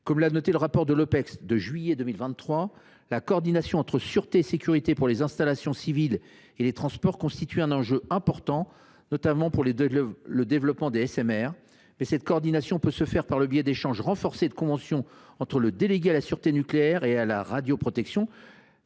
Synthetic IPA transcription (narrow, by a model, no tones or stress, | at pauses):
kɔmlanɔt̪eləʁapɔʁd̪əlopɛksd̪əʒɥijɛd̪əmilvɛ̃χwa | lakɔːʁd̪inasjɔ̃ɑ̃t̪χəsyʁt̪eːsekʲyʁit̪epuʁlezɛ̃st̪alasjɔ̃sivil | elet̪χɑ̃spɔʁkɔ̃st̪it̪yɛ̃nɑ̃ʒøɛ̃pɔʁt̪ɑ̃ | nɔt̪amɑ̃puʁlləd̪evlɔpmɑ̃d̪eɛsɛmɛʁ | mɛsɛt̪̚kɔːʁd̪inasjɔ̃pøsəfɛʁpaʁləbjɛd̪eʃɑ̃ʒʁɑ̃fɔʁsed̪əkɔ̃vɑ̃sjɔ̃ɑ̃t̪χələd̪eleɡʲealasyʁt̪enykleɛʁeala̰ʁad̪jopχɔt̪ɛksjɔ̃